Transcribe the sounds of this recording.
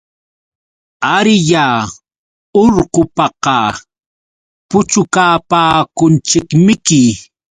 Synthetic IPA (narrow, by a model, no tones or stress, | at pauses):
aɾɪja | oɾqopɑqɑ | pʊt͡ʃʊkaːpaːkʊnt͡ʃɪkmɪkɪ